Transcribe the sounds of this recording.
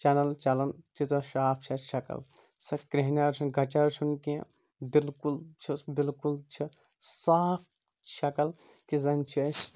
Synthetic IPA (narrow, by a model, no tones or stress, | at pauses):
t͡ʃaːnɐlt͡ʃalɐnt̪it̪ɐʃaːpʰt͡ʃʰɐʃɐkɐ̰l | sɐkɾeɦnaɾt͡ʃʰunɡɐt͡ʃaɾt͡ʃʰunkiẽ | bilkult͡ʃʰibilkult͡ʃʰi | saːp̚ʰ | ʃɐkɐl | kizɐnt͡ʃʰɐs